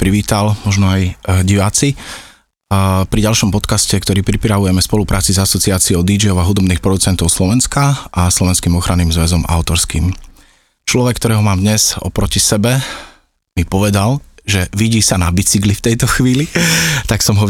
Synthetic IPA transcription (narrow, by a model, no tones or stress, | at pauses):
pɾiʋiːt̪almɔʒnɔajɟiʋaːt͡si | pɾiɟalʃɔmpɔt̪kascɛkt̪ɔɾiːpɾipɾaʋujɛmɛspɔlupɾʔaːt͡sizasɔt͡siaːt͡siɔʊd̪id͡ʒiɔʊaɦud̪ɔbniːxpɾɔd̪ut͡sɛnt̪ɔʊslɔʋɛnskaʔaslɔʋɛnskiːmɔxɾanːiːmzʋɛzɔma̰ʊt̪ɔɾskḭːm | t͡ʃlɔʋɛkːt̪ɔɾɛːɦɔmaːmd̪ɲɛz̥ɔ̰pɾɔcisɛbɛ | mipɔʋɛd̪alʒɛʋiɟiːsanabit͡siɡlift̪ɛjt̪ɔxʋiːlit̪aksɔmɦɔ